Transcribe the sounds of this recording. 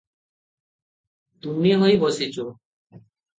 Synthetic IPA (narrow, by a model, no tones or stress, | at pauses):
t̪umiɦojbɔsit͡ʃo